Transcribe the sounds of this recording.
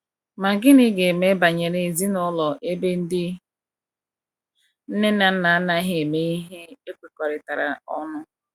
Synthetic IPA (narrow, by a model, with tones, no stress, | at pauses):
ma˨ɡɪ˦ni˦ɡe˨e˨me˦ba˨ɲe˨ɾe˨zi˦nʊ˦lɔ˨ʔe˦be˦n̩˦dɪ˦ | n̩˦ne˦na˨˦na˨a˦na˦ɦe˨e˨me˨i˦ɦe˦e˦kʷe˨kɔ˨ɾɪ˨ta˨ɾa̰˨ɔ˦nʊ˦